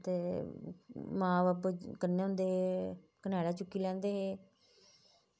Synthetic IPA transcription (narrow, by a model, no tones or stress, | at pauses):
t̪eː | mãːʋaːpkənːeːʊ̃ːnd̪eːɦː | kənɛːlaːt͡ʃʊkːiːlɛ̃ːnd̪eːɦeː